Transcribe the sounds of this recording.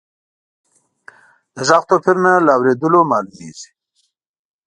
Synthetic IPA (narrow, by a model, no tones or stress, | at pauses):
d̪̥əzaqt̪opʰɪɾnalaːwɾed̪əlomɑːlumḛzi̥